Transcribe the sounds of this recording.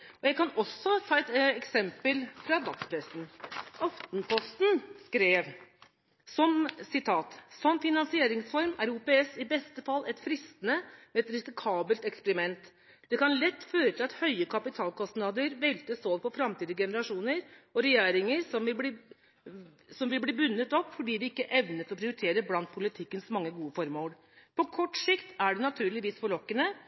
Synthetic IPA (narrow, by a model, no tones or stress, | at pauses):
ɔjæɪkɑnɔsɔt̪ʰɑːɛt̪ɛksɛmpəlfɾɑd̪ɑkspʰɾɛsn̩ʔɑft̪npʰɔst̪n̩skɾeːʋ | sɔmsɪt̪ʰɑːt̪sɔmfɪnɑnsɪeːɾɪŋsfɔɾmæɾuːpeɛsɪbɛst̪əfɑlːʔɛt̪fɾɪst̪ənəmɛɛt̪ɾɪsɪkʰɑːbəlt̪ɛkspɛɾɪmɛnt̪ | d̪̥ɛkɑnlɛt̪ːføːɾət̪ʰɪlɑt̪hœʏəkʰɑpɪt̪ʰɑːlkʰɔst̪nɑːd̪əɾʋɛlt̪əsoːʋpʰɔfɾɑmt̪ʰiːd̪əɡɛnəɾɑʂuːnəɾɔɾɛjeːɾɪŋəɾsɔmʋɪlbliː | sɔmʋɪlbliːbʉnːət̪ɔpːfɔɖiːʋ̪ɪɪkːəʔɛʋnət̪ɔpʰɾɪʊɾɪt̪ʰeːɾəblɑnt̪̚pʰʊlɪt̪ʰɪkːənsmɑŋːəɡuːəfɔɾmoːl | pʰɔkʰɔʈːsɪkt̪æɖɛnɑt̪ʰʉːɭɪʋiːsfɔɭɔkːənə